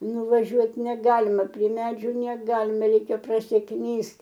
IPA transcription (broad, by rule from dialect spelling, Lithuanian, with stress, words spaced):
nʊʋɐˈʒʲuɔt nʲɛˈɡɑːlʲɪmɐ pʲrʲiɛ ˈmʲæːd͡ʒʲuː nʲɛˈɡɑːlʲɪmʲɛ ˈrʲɛɪkʲɛ prɐsʲɪˈknʲiːst